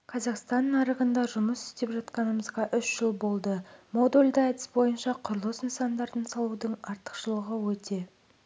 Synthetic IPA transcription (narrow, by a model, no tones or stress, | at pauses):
kʰɑzɑqst̪ɑnːɑɾəʁənd̪ɑʒʊməsʏ̥st̪e̞pʒɑt̪qɑnəməzʁɑʔʏʃʒ̥əlˠbo̞lˠd̪əmo̞d̪olʲd̪əæt̪ɪ̥sbo̞jənʃɑqʰʊɾlˠəsnsɑnd̪ɑɾd̪ənsɑlˠud̪əɴɑɾt̪ə̥qʃəlˠəʁəwɵt̪e̞